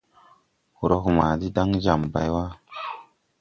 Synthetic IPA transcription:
hu˨ɾo˦ɦu˨ma˨di˦da˦ŋza˨mba̰˨jwa˦

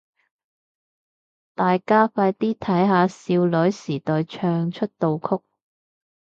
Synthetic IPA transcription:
t̪aː˨jkaː˥faː˧jt̪iː˥t̪ʰɐ˨˥jɦaː˨˧siː˧wlɵ˨˥ɥsiː˨˩t̪ɔː˨jt͡ʃʰœː˧ŋt͡ʃʰɵ˥t̚t̪o˨wkʰʊ˥k̚

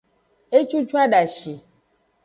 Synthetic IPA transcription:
e˦t͡ʃu˦t͡ʃu˦a˦ɖa˨ʃi˨

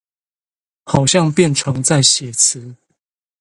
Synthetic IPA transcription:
xɑ˨˩ʊɕjɑ˥˨ŋpjɛ˥˨nʈ͡ʂʰɤ˨˦ŋt͡sa˥˨ɪɕjɛ˨˩t͡s̩ʰ˨˦

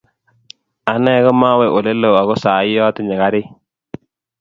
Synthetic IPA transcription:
a˨nɛ˦ɣɔ˦ma˦wɛ˨ʔo˨le˦lo˨a˨ɣɔ˦saː˨˦jɔ˦tɪ˨ɲɛ˨ɣa˦ɾɪ˦

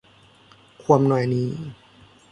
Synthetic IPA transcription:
kʰu˧əmnɔ˨˩jniː˧˥

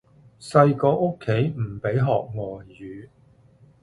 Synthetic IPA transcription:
sɐ˧jkɔː˧ʔʊ˥kʰːe˨˥jm̩˨˩pe˨˥jɦɔː˨k̚ŋɔː˨jyː˨˧

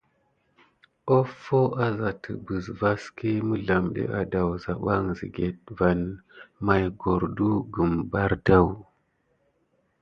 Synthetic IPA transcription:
o˦fo˦a˦za˨tʰə̰˨bə˨zva˦ski˦mə˦ɮa˨mɗḛ˦ʔa˨da˨wza˨ɓa˦ŋzḭ˨ɡe˨t̚va˨nma˨jɡo˨ɾdu˦ɡə˨mba˦ɾda˦˨w

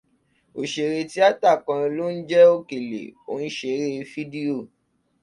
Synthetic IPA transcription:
o˨ʃe˨ɾe˧ti˦a˦ta˦˨kã˧i˧lo˦n̩˦d͡ʒɛ˦o˦˨ke˨lḛ˨o̰˨˦n̩˦ʃe˧˨ɾe˦fi˦di˦o˦˨

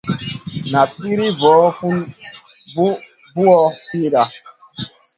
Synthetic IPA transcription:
na˨pi˦ɾi˦vɔː˨˦fu˦ | u˦ | vu˦ɔ˦fi˦ɗa˨

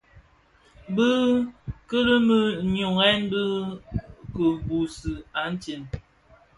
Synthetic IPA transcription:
bə˦kə˦lə˦mə˦ɲo˨ŋɛ˦nbə˦ | kə˨bu˨sə˨a˨˦n̩˦ti˨n

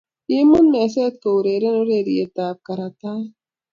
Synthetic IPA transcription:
i˦mu˦nmɛ˨s̬e˦t̪̚ko˨u˨ɾe˨ɾe˦no˦ɾe˨ɾi˨e˨t̪aː˨p̚ka˨ɾa˨t̪a˦

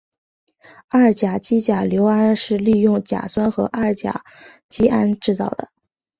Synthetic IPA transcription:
a˥˩t͡ɕja˨˩t͡ɕi˥t͡ɕja˨˩ljo˧˥ʊa˥nʂɻ̩˥˧li˥˧jʊ˥˩ŋt͡ɕja̰˨˩swa˥nxɤ˧˥ʔa˥˩t͡ɕja̰˨˩ | t͡ɕi˥ʔa˥nʈ͡ʂɻ̩˥˧t͡sɑ˥˩ʊd̪ə˩

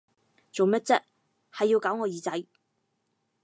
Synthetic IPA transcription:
t͡so˨wmɐ˥t̚t͡sɐ˥t̚ | hɐ˨jːi˧wkaː˨˥wŋɔː˨˧jiː˨˧t͡sɐ˨˥j

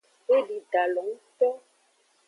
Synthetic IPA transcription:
e˦ɖi˨ɖa˨lɔ˨˦ŋ˦t̪ɔ˦

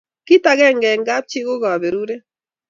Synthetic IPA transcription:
ki˦ta˨ɣɛ˦˨ŋɡɛ˨ŋɡa˦p̚t͡ʃɪ˦ɣo˦ɣa˨be˨ɾu˦ɾe˦

